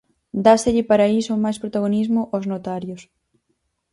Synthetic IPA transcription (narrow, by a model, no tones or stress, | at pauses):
d̪ast̪eʎɪpaɾaisomajspɾot̪aɣ̞onizmʊʔoznot̪aɾjos